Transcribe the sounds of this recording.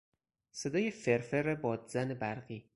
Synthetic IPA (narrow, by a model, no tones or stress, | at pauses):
sed̪ɒːjefeɾfeɾebɒːd̪zænebæɾɢiː